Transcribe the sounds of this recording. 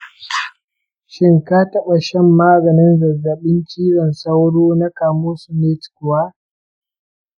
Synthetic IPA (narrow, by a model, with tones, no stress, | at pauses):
ʃɪ˦ŋka˦tɐ˦ɓa˨ʃɛ˦mːaː˦ɡɐ˨nɪ˦nzɐ˨zːɐ˨ɓɪ˦nt͡ʃiː˦ɽɔ˨nsa˦wɽoː˦na˦kaː˨moː˦su˨neː˦tkʊ˨waː˦